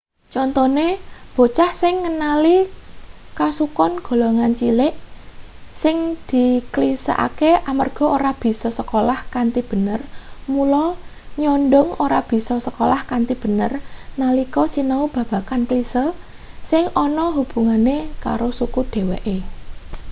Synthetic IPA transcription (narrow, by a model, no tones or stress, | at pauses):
t͡ʃɔnt̪ɔneb̥o̤t͡ʃahsɪŋːənali | kasukɔnɡ̥o̤loŋant͡ʃilɪʔ | sɪŋd̪̥i̤klisa̰ʔa̰keamarɡ̥ɔ̤ʔoɾab̥i̤sɔsəkolahkant̪ib̥ə̤nərmulɔ | ɲɔnɖʊŋoɾab̥i̤sɔsəkolahkant̪ib̥ə̤nərnalikɔsinaub̥ä̤b̥a̤kanklisə | sɪŋɔnɔɦub̥ṳŋaneka̰ɾosukud̪̥e̤wɛʔe